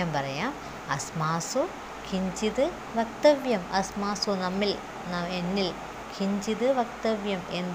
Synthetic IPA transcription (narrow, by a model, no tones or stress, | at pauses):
aːmpɐrɐjaːm | ɐsmaːsu | kʰiɲd͡ʑiðɨ | ʋɐk̚t̪ɐʋjɐmɐsmaːsunɐmːil | nɐenːil | kʰiɲd͡ʑiðɨʋɐkt̪ɐʋjɐmen